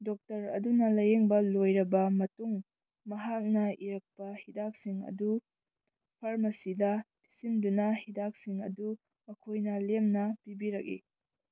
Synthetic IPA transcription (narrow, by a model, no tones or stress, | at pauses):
dɔk̚tɐɾɐ̰dunɐlɐjeŋbɐlojɾɐbɐmɐtuŋ | mɐɦak̚nɐiɾɐk̚pɐhidak̚siŋɐ̰du | pʰaɾmɐsidɐpʰi̥simdunɐhidak̚siŋɐ̰du | ɐkʰojnɐlemnɐpibiɾɐk̚ḭ